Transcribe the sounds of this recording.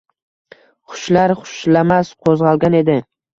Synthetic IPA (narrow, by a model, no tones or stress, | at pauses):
χʊ̥ʃlaɾχʊ̥ʃlamasqʰozʁɑlˠɡʲane̞d̪ɪ